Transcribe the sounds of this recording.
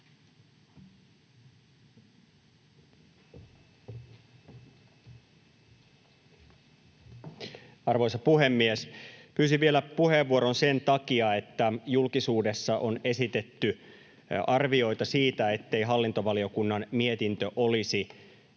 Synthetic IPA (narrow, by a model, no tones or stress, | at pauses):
ɑrʋo̞jsɑpuɦemːiespyːsiʋielæpuheʋːuoɾonsent̪ɑkiɑe̞t̪ːæjulkisuːde̞sːɑʔone̞sit̪et̪ːy | ɑrʋio̞it̪ɑsiːt̪æe̞t̪ːe̞jɦɑlːint̪o̞ʋɑlio̞kunːɑnmie̞t̪int̪øʔolisi